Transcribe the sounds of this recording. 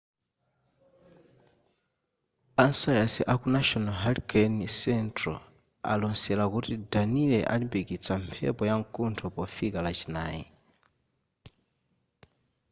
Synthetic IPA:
ansajasiʔakunaʃɔnaɦalkʰɛnisɛntɾɔ̰ | a̰lɔnsɛlakutidanilɛʔa̰libikit͡sʰampʰɛ̰pɔjaŋkʼuntʰɔpɔfikalat͡ʃinaːjḭ

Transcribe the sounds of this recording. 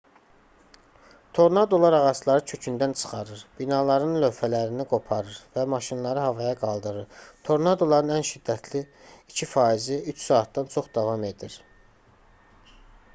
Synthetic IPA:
t̪ʰo̞ɾnɑd̪o̞lˠɑɾɑʁɑslˠɑɾɯt͡ʃʰø̞cʰynd̪ænt͡ʃʰɯ̥χɑɾɯɾb̥inɑlˠɑɾɯnlø̞fælæɾiniɡo̞pʰɑɾɯɾvæmɑʃinlˠɑɾɯɦɑvɑjɑɡɑlˠd̪ɯɾɯɾt̪ʰo̞ɾnɑd̪o̞lˠɑɾɯnænʃid̪ːæt̪ʰliː | cʰifɑːiziyt͡ʃsɑːt̪̚d̪ɑnt͡ʃʰo̞χd̪ɑvɑme̞d̪iɾ

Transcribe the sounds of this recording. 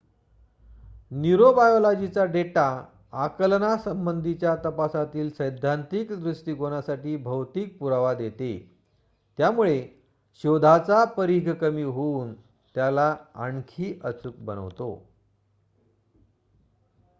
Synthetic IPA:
niɾobajolad͡ʑit͡saɖeʈaː | kəlnasəmbənd̪ʱit͡ɕjat̪əpasat̪iːlsəjd̪ʱant̪ikd̪ɾuʂʈiːɡonasaʈiːbʱəwt̪iːk̚puɾaʋad̪et̪ḛ | t̪jamuɭe | ɕod̪ʱat͡sapəɾiɡʱkəmiːɦouːn | t̪jalaa̰ɳkʰiːʔət͡suk̚bə̰nə̰ʋt̪o̰

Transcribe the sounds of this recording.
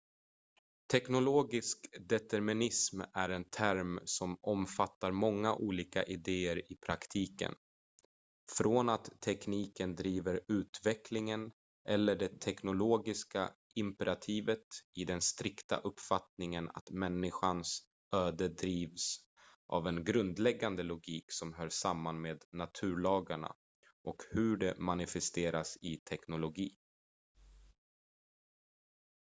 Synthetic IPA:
t̪ʰɛknʊloːɡɪskd̪ɛt̪æɾmɪnɪsmæɾɛnt̪ʰæɾmsɔmɔmfat̪ːaɾmɔŋːaʔuːliːka̰ʔɪd̪eːəɾɪpʰɾakt̪ʰiːkə̰n | fɾoːnat̪ʰːɛkniːkənd̪ɾiːvəɾʉ̟ːt̪vɛkʰlɪŋən | ʔɛlːəɖɛt̪ʰɛknʊloːɡɪska̰ | ɪmpɛɾat̪ʰiːvət̪ɪd̪ɛnst̪ɾɪkt̪a̰ʔɵpːfat̪nɪŋəna̰t̪mɛnːɪɧans | øːd̪əd̪ɾiːvs | ʔa̰vɛnɡɾɵnd̪lɛɡːand̪əlʊɡiːksɔmɦœːɾʂamːanmeːd̪nat̪ʰʉ̟ːɭɑːɡaɳa̰ | ʔɔkhɵɖɛmanɪfɛst̪eːɾasɪt̪ʰɛknʊlʊɡiː

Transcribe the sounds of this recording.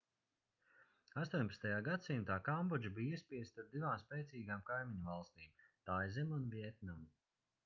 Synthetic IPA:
ast̪uːɲʲpḁtst̪ajaːɡat̪simt̪aːkambɔd͡ʒabijispʲiɛst̪aɾd̪ivaːmspɛːt̪siːɡaːmkajmiɲɐvalˠst̪iːmt̪ajzɛmunviɛt̪nam

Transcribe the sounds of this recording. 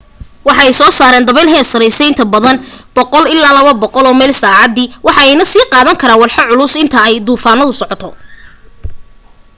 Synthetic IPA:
wɑħɑɛjsɔːsaːɾɛːnd̪ɐβɛlɦɛːsɐɾɛjsɛjɪnt̪ʰɐbɐðɐnb̥ɔqɔlɪlːaːlɐβɐbɔqɔlɔːmɛːlsaːʕɑd̪iwɑħɑɛjnɐsiːqɑːðɐŋkʰɐɾaːnwɑlħɑʕʊlʊsɪnt̪ʰɐɛjd̪uːfaːnɐðʊsɔʕɔt̪ʰɔ

